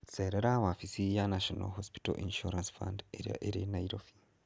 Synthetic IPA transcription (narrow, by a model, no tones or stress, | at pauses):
t͡seːɾeɾawafisijanaʃona̰ɦospi̥to̰ʔinʃuɾansfa̰ndeɾinaiɾofi̥